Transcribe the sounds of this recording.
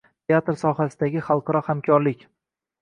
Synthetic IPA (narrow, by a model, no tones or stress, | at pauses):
t̪ʰeat̪ɾsɒhasɪd̪aɡʲɪχɑlˠqʰɑɾɒhamkʲʰɒɾlɪkʲ